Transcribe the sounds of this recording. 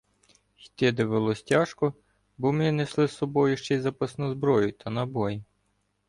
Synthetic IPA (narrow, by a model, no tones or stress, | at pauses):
xt̪ʲɪd̪eʋelˠɔsʲtʲɑʃkɔ | bɔmnʲineslˠɪsːɔbɔjʊʃt͡ʃɛjzɐpɐsnɔzbɾɔjʊt̪ɐnɐbɔji